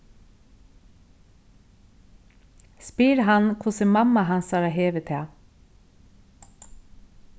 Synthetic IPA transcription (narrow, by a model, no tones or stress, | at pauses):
spiːɾhɑnkʰʊsəmɑmɑhɑnsɑːɾɑːheːʋət̪ʰeː